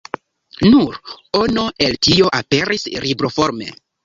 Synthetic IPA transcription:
nuɾonoʔe̞ltio̞ʔape̞ɾisɾibɾofo̞ɾme̞̰

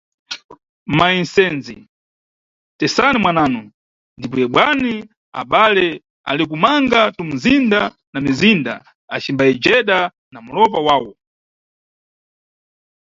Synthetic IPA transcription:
mainsɛnzḭ | tɛsanimwanaːnɔ | ndipɔjɛɓwani | a̰ɓalɛ | a̰lɛk̬umaŋɡatum̩zinda | namizinda̰ | a̰t͡ʃimbaɛd͡ʒɛɗa | namulɔpawaːwɔ

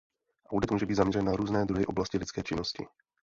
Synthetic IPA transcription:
ʔawdɪt̪muːʒɛbiːd̪zamɲɛɾɛnːaɾuːznɛːd̪ɾuɦɪʔblascɪlɪt͡skɛːt͡ʃɪno̞scɪ̰

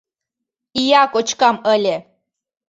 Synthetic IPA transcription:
ijɑkot͡ɕkɑməlʲe

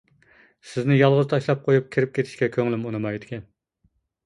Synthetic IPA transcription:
sɪznɪjɑlˠʁʊzt̪ʰɑʃlˠɑp̚qʰojup̚kʲʰɪɾɪp̚kʲʰet̪ʰɪ̥ʃkʲɛkʲʰøŋlɪmunɨmɑjd̪ɪkʲɛn

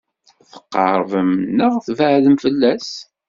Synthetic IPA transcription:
θə̥qːɑ̰ɾˤvəmnəʁθvəʕðəmfəlːæs

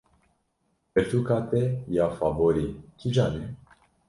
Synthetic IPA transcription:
əɾt̪ukat̪ejafavoɾikʲid͡ʒane

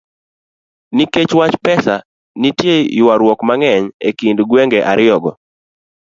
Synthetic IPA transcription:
niket͡ʃwat͡ʃpɛsa | nitjejwaɾwɔkmaŋɛɲekindɡweŋɡɛʔaɾɪɔɡɔ

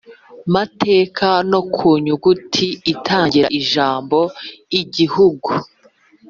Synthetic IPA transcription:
mateːkʰano̞kʰuːɲuɡutʰiːtʰaːɲɟiɾa̰ʔiʒaːmbo̞iɟihuɡu

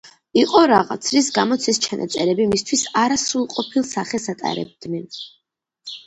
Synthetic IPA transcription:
iqʼɔɾaʁat̪sʰɾisɡamɔt̪sʰɛst͡ʃʰanʔa̰t̪sʼɛɾɛbimist̪ʰwisaɾasɾulˠqʼɔpʰilˠsaχɛsat̪ʼa̰ɾɛ̰b̚d̪nɛn

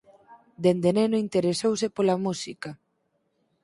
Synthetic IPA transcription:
d̪end̪enenoint̪eɾesowsepolamusika

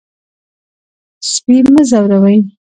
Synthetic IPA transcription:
spiməzawɾawəj

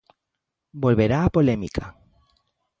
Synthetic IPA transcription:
bo̞lβe̞ɾaːpo̞lemikʰa

